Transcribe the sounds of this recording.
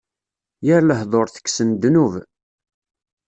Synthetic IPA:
jəɾləhðˤoɾθə̥kːsənd̪nuv

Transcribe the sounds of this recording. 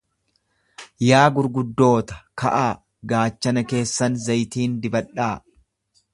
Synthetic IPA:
jaːɡʊɾɡʊd̪ːo̞ːt̪ɐ̥kɐ̰ʔaː | ɡaːt͡ʃːɐnɐke̞ːsːɐnzɐjt̪iːnd̪ɪbɐᶑaː

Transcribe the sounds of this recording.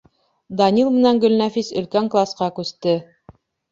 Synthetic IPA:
d̪ɑnʲilˠmɘ̆næŋɡɵ̆lnæfisɵ̆lkæŋklˠɑsqɑkʉst̪ɘ

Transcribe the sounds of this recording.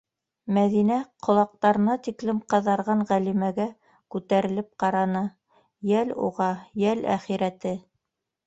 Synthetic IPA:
mæðinæqʰŏlˠɑq̚t̪ɑɾɤ̆nɑt̪iklɘmqɑ̆ðɑɾʁɑɴʁælimæɡæ | kʉt̪æɾɘ̆lɘp̚qɑɾɑnɤ | jælṵʁɑjælæ̰χiɾæt̪ɘ

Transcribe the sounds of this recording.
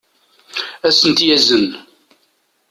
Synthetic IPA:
æsənt̪jæzən

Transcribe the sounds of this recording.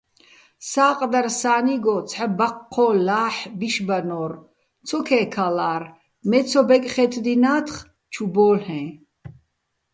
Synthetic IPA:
saːqʼd̪aɾsaːniɡɔt͡sʰħabaqʰːɔlaːħbiʃbanɔːɾ | t͡sʰɔkʰɛːkʰalaːɾ | mɛt͡sʰɔbɛkʼχɛt̪ʰd̪inaːt̪ʰχ | t͡ʃʰubɔːlhɛ̃

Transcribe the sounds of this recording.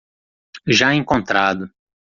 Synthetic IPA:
ʒaẽŋkõnt̪ɾad̪ʊ

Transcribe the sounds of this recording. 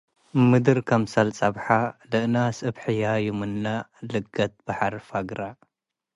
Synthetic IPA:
mɨd̪ɨɾkʰɐmsɐlt͡sʼɐbħalɨʔnasʼɨbħɨjajumɨnːalɨɡːɐt̪̚b̥aħaɾfaɡɾa

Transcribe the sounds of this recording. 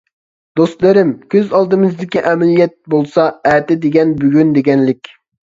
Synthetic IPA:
d̪ost̪lˠɨɾɪmkʲʰøzɑlˠd̪ɨmɨzd̪ɪkʲiʔɛmɪlijɛt̪̚bolˠsɑɛːt̪ɪd̪eɡʲɛnbyɡʲynd̪eɡʲɛnlɪkʲ

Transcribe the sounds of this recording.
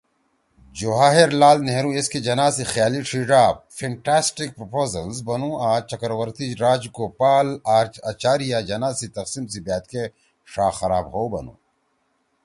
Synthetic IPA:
d͡ʒoɦaːɦeɾlaːlneɦɾũːesked͡ʒɐnaːzixjaːliʂʰiːɖaːbfʰẽɳʈaːsʈik̚pɾopoːzɐlzbɐnũːaːt͡ʃɐkɾwɐɾt̪iɾaːd͡ʑkopaːlaːɾt͡ʃaːt͡ʃaːɾijad͡ʒɐnaːzit̪ɐqsimsibaːt̪ke | ʂaːxɐɾaːbɦoːbɐ̰nṵ̃ː

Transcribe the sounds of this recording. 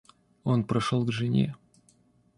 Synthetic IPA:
o̞npɾɐʂolˠɡʐɨnʲḛ

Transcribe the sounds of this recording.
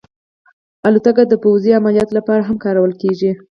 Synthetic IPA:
alut̪aɡad̪əpawziamaljɑt̪lapɑɾaɦamkɑɾawəlkeʒi

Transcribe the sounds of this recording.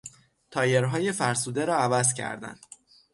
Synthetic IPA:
t̪ʰɒːjeɾɦɒːje̞fæɾsuːd̪e̞ɾɒːævæzcʰæ̰ɾd̪æ̰nd̪

